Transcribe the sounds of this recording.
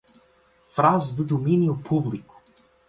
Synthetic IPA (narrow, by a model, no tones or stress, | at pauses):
fɾazd̪əd̪ominiʊpʰublikʊ̥